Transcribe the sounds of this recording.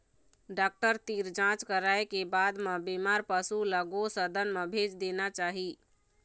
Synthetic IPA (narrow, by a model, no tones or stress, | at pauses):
ɖak̚ʈəɾt̪iɾd͡ʒãt͡ʃkəɾaekebad̪mebimaɾpəsuləɡosəd̪ʱənmebʱed͡ʒd̪enat͡ʃaɦi